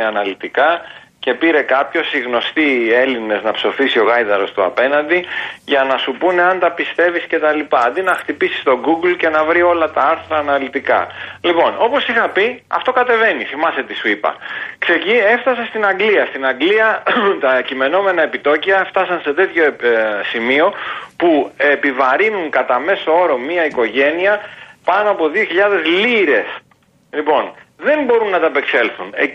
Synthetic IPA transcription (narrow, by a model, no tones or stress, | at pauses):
ɐnɐlit̪ikɐce̞piɾe̞kɐpço̞siɣno̞st̪ie̞line̞znɐpso̞fisio̞ɣɐjðɐɾo̞st̪uɐ̰pe̞nɐnd̪iʝɐnɐsupune̞ɐnt̪ɐpist̪e̞visce̞t̪ɐlipɐːnd̪inɐxt̪ipisi̥st̪o̞ɡuɡlce̞nɐvɾio̞lɐt̪ɐɐɾθɾɐːnɐlit̪ikɐ̰lipo̞no̞po̞sixɐpiɐ̰ft̪o̞kɐt̪e̞ve̞niθimɐse̞t̪isuipɐ̰kse̞cie̞fθɐsɐst̪inɐŋɡliɐst̪inɐŋɡliɐt̪ɐcime̞no̞me̞nɐe̞pit̪o̞ciɐft̪ɐsɐnse̞t̪e̞t̪ço̞simio̞puepivɐɾinuŋkɐt̪ɐme̞soo̞ɾo̞miɐiko̞ʝe̞niɐpɐno̞ɐpo̞ðioçiʎɐðe̞zliɾe̞s | lipo̞nðe̞mbo̞ɾunːɐt̪ɐpe̞kse̞lθune